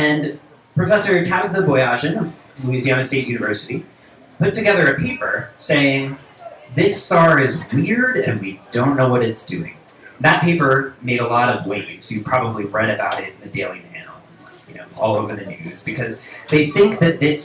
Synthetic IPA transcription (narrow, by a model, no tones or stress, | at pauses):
ɨ̃n | pʰɹ̥ɨfɛsə˞kʰæɾvðəbɔɪɑʒɨ̃nʌv | luiziænɨsteɪt̚jʉnɨvɜ˞sɨɾi | pʊtɨɡɛðə˞ɨpʰeɪpə˞seɪɪ̃ŋ | ðɪstɑɹɪzwɪɹɾɨ̰̃nwidõʊ̃nːoʊwʌɾɨtsd̥ʉɪ̰̃ŋ | ðɨt̚pʰeɪpə˞meɪɾəlɔɾʌvwẽz̥jɨ̥pʰɹ̥ɑbəbliɹɛɾɨbaʊɾɪɾn̩ðɨdeɪlˠimelˠ | jɨno̰ʊʔɔ̰lˠoʊvə˞ðɨnʉz̥b̥ɨkʰʌzðeɪθɪ̃ŋk̚ðɨt̪̚ðɪs